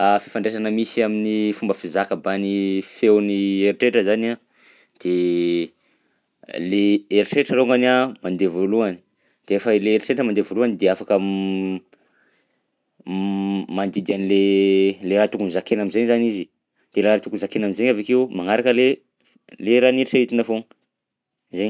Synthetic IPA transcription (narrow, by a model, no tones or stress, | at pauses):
afifaɳɖ͡ʐesanəmisiaminifumbəfizakəbanifewnieɾiʈ͡ʂeʈ͡ʂəzana | d̪̥e | leeɾiʈ͡ʂeʈ͡ʂəloŋɡanamand̪evoluani̥ | d̪̥eefəleːɾiʈ͡ʂeʈ͡ʂəmand̪evoluanid̪eafakə | mand̪id̪ianileleɾat̪ukunizakenamizeɲzanizi | d̪̥elaɾat̪ukunzakenamizeɲavekewmaŋaɾakəle | leɾaniɾisait̪inafoŋ | zeɲ